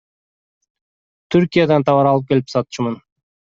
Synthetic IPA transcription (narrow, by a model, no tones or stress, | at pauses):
t̪ʰyɾkʲijad̪ɑnt̪ʰɑβɑɾɑlˠɯp̚kʲe̞lipsɑt̪ʃmɯn